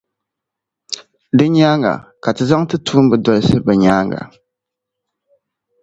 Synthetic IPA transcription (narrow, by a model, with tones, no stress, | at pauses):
dɨ˦ɲaː˦ŋɡa̰˨ka˨tɨ˨za˦ŋtɨ˦tʰuː˦m˦bɨ˨dɔ˨lɨ˦sɨ˦bɛ˨ɲaː˦ŋɡa̰˨